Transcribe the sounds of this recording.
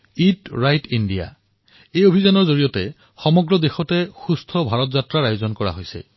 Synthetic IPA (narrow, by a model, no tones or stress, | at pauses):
itɹajtindija̰ | ejobʱizanɔɹzoɹijɔtɛ | xɔmɔɡɹɔdexɔtɛxustʰɔbʱaɹɔtzatɹaɹajozɔnkɔɹa̰ɦojsɛ̰